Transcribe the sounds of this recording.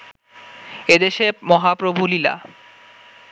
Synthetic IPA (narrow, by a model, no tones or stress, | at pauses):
ed̪eʃemɔɦapɾobʱulila̰